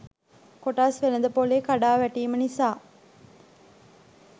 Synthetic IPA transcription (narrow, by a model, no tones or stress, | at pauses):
koʈaːsʋenəd̪əpoleːkaɖaːʋæʈiːmənisaː